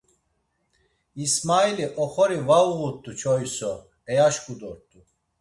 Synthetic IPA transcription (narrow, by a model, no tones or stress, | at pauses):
ismailiʔɔχɔɾivauɣut̪ʼːut͡ʃʰɔjsɔ | ɛjaʃkʼud̪ɔɾt̪ʼu